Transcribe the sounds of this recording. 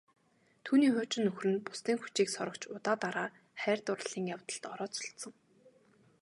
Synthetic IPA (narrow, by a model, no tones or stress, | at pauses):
t̪ʰuːniːχʊːt͡ɕɪ̆nːɵxrɘ̆npʊ̥st̪iːŋxut͡ɕiːksɔɾɞ̆kt͡ɕʰʊt̪aːt̪aɾaː | χæːrʲt̪ʊrə̆ɮ̥iːŋjaw̥t̪ə̆ɬt̪ɔɾɔːt͡sɔ̥ɬt̪sə̆ŋ